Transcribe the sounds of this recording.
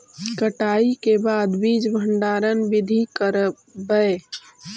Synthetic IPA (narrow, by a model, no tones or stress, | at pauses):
kəʈaːikebaːd̪biːd͡ʒbʱəɳɖaːɾənbɪd̪ʱikəɾ | bəe